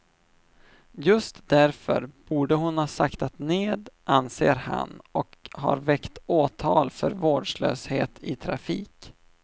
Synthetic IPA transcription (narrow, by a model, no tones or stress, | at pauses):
jɵst̪d̪æɾfœ̰ɾb̥uːɖəɦʊnhɑːsakt̪at̪neːd̪ʔanseːɾha̰nɔkhɑ̰ɾvɛkt̪oːt̪ʰɑːlfœɾvoːɖʂlø̰ːsheːt̪ʰɪt̪ʰɾafiːk